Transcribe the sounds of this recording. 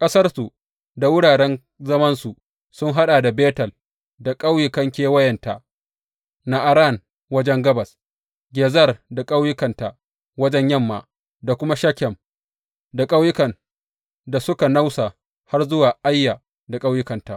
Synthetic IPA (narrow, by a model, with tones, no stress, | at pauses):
kʼɐ˦sɐ˦rsu˨ | da˨wʊ˦ɽaː˨ɽɛ˦n | zɐ˦mɐ˦nsu˨ | sʊ˦ŋɦa˦ɗaː˨da˨beː˦tɐ˨l | da˨kʼa˦wjɪ˦˨kɐ˦ŋkʲeː˦wɐ˦jɛ˨nta˨ | na˦ʔa˨ɾa˦˨n | wɐ˦d͡ʒɛ˦ŋɡɐ˦bɐ˨s | ɡʲeː˨zɐ˦˨rda˨kʼa˦wjʊ˦kɐ˨nta˨ | wɐ˦d͡ʒɛ˦ɲjɐ˦mːa̰˨ | da˨kʷʊ˦ma˦ʃɐ˦kʲɛ˨m | da˨kʼa˦wjɪ˦kɐ˨n | da˨sʊ˦ka˨na˦wsa˨ | ha˦rzʊ˦waː˨ʔa˦jːa˨ | da˨kʼa˦wjʊ˦kɐ˨nta˨ʔ